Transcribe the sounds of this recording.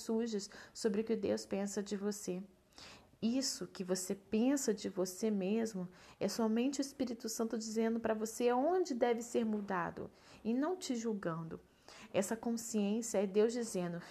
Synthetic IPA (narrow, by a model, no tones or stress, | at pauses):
suʒɪssobɾɪʊkɪʊd̪ewspẽsɐd͡ʒɪvose | isʊkɪvosepẽsɐd͡ʒɪvosemezmʊɛsɔmẽnt͡ʃɪʊispiɾit̪ʊsɐ̃nt̪ʊd͡ʒizẽnd̪ʊpɾɐvoseaõd͡ʒɪd̪ɛvɪseɾmud̪a̰d̪ʊ̰ | ɪnɐ̃w̃t͡ʃɪʒuwɡɐ̃nd̪ʊ | ɛsɐkõsiẽsiɐɛd̪ewzd͡ʒizẽd̪ʊ